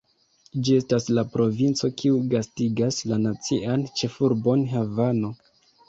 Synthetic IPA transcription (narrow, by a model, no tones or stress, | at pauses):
d͡ʒie̞staslapɾo̞vint͡so̞kʰiuɡastiɡaslanat͡siʔant͡ʃe̞fuɾbo̞nɦavano̞